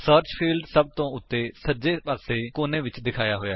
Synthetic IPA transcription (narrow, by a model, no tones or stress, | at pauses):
səːɾt͡ʃpʰiːlɖsəb̚t̪õːʊt̪ːeːsəd͡ʒeːpaːseːkoːnẽːʋɪt͡ʃd̪ɪkʰaːjaːɦoːja̰ː